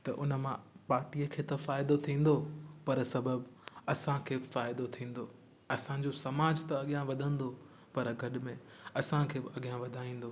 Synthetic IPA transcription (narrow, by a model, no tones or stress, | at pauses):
t̪ɐʔʊnəmãpaːɾʈijəkʰeːt̪ɐfaːɪd̪ot̪ʰĩːn̆d̪opɐɾsɐbəbɐsãkʰeːfaːɪd̪ot̪ʰĩːn̆d̪oː | ɐsã̆d͡ʑosɐmaːd͡ʑt̪ɐɐɠijãʋɐd̪ʱə̃nd̪o | pɐɾɡʱɐɗɪmẽ | ɐsãkʰeːɐɠijɦãʋɐd̪ʱaːĩːn̆d̪oː